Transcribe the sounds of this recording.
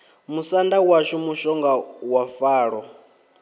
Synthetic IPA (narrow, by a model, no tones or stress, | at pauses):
musandawaʃimuʃɔŋɡawafaːɺɔ